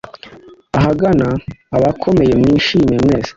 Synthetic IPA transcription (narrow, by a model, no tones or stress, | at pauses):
aɦaɡanaːβakʰo̞me̞je̞mŋiːʃiːmemŋe̞ːz̥e̥